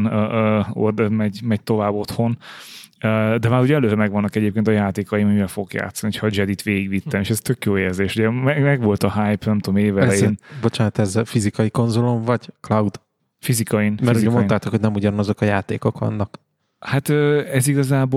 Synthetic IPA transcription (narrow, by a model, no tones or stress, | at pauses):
nːøːo̰rd̪ɛmɛɟmɛɟ̚t̪o̞vaːbːo̞t̪ho̞n | øːd̪ɛmaːɾuɟɛɛløːɾɛmɛɡʋɒnːɒkɛɟeːp̚keːnt̪ɒjaːt̪eːkɒjimɒmivɛlfo̞ɡokja̰ːt̪sːɒnio̥cʰhɒd͡ʒɛd̪it̪ʋeːɡiɡʋit̪ːɛnieːʃɛst̪økjoːeːrzeːʃuɟɛmɛmɛɡʋo̞lt̪ɒɦajpnɛmt̪omeːvɛlɛjeːnbo̞t͡ʃaːnɒt̪ɛzːɛlfizikɒjiko̞nzoloɱvɒɟklɒwd̪ | fizikɒjinmɛɾzoiont̪aːt̪okhoɟnɛmuɟɒnɒzo̞kɒjaːt̪eːko̞kʋɒ̰nːɒk | hat̪øːɛziɡɒzaːboː